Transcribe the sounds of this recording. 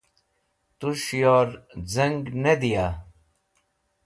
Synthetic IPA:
t̪uʂjoːɾzɐŋɡnɐd̪ijaː

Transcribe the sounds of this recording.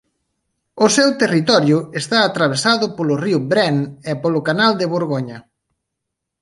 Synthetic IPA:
ʊsewt̪erit̪ɔɾjʊest̪aːt̪ɾaβ̞esaðʊpolʊriʊbɾɛnepolʊkanald̪eβoɾɣoɲɐ

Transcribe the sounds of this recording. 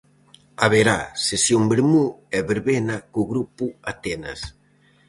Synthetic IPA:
aβeɾasesjoŋbeɾmuɛβeɾβenakoɣɾupuat̪ɛna̰s

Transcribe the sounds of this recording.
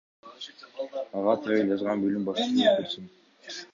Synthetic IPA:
ɑʁɑt̪ʰɑjɯld͡ʒɑzʁɑnbølymbɑʃt̪ət̪ɑkøɾsyn

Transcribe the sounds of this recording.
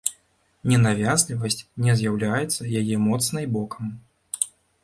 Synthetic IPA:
nʲɛnavʲazʲlʲivɐsʲt͡sʲnʲɛzʲjawlʲajɛt̪sːɐjajɛmɔt̪snɨjbɔkʰɐm

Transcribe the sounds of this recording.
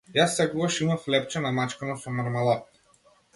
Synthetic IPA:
jasːɛɡuvaʃimaflɛp̚t͡ʃɛnamat͡ʃkanasɔmaɾmalˠa

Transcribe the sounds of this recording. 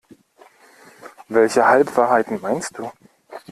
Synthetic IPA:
vɛlçəhalpv̥aːɐɦaɪtn̩maɪnst̚d̥uː

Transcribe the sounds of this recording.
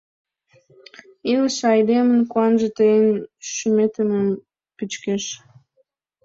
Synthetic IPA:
iləʃɑjd̪emənkuɑnʒət̪əjənʃymet̪əməm | pyt͡ɕkeʃ

